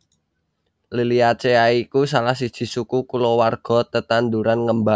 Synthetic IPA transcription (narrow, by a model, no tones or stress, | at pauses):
liliat͡ʃeaikus̬alahs̬id̥ʒ̥i̤sukukulowarɡ̥ɔ̤t̪ət̪and̪uɾanŋəmba